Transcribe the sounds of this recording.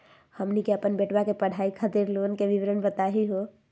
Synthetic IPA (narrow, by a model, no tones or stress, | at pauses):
həmnikeəpənbeʈbakepəɽ̤ʱaikʰət̪iɾlonkeʋiʋɾənbət̪aɦiɦo